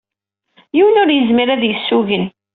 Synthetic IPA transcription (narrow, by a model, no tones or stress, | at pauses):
jiwənʊɾjəzmiɾæðjəsːuʝən